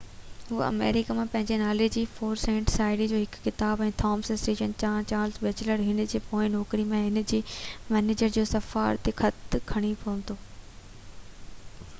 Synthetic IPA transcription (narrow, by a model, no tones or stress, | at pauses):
ɦuːɐ̰mḛːɾɪkamãpɐ̃ɦɪ̃ɲd͡ʑenaːled͡ʑiːfoːɾsẽːɳʈsaːɪɽid͡ʑoːɦɪkːɪt̪aːbɛ̃ːt̪ʰɔːmsɐsʈiːʃənt͡ɕãːt͡ɕaːɾlzbeːt͡ɕləɾɦɪn̆d͡ʑeːpoːɪ̃nɔːkɾimẽɦɪn̆d͡ʑiːmɛːneːd͡ʑəɾd͡ʑoːsɐfa̰ːɾt̪exʰɐt̪kʰɐɽ̃ipʰɐə̃nt̪oː